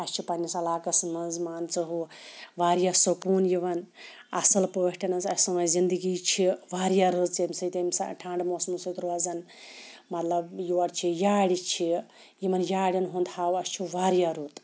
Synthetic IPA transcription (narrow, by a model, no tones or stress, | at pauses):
ɐst͡ʃʰipɐnʲisɐlaːkɐsmɐnzmaːnt͡sɐɦuʋaːɾjasokuːnjiʋɐnɐsɐlpɐhʈɐnɐt͡sɐsɐmɐzind̪ɨɡit͡ʃʰiʋaːɾjaɾɨt̪t͡sɐmʲsɐjt̪ɐmʲsa̰ʈʰaːɳɖmoːsmusɐjt̪ɾoɐzɐn | mɐt̪lɐbjiʋɐɽt͡ʃʰijaːɽit͡ʃʰi | jimɐnjaːɽʲɐnɦund̪ʰaːwɐst͡ʃʰiʋaːɾjaɾuːt̪